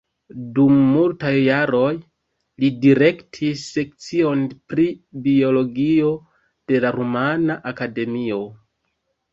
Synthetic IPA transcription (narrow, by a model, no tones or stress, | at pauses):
dumːultajːaɾo̞j | lidiɾe̞ktʰisːe̞kt͡sio̞npɾibio̞lo̞ɡio̞ | d̥e̞laɾumanaʔakade̞mio̞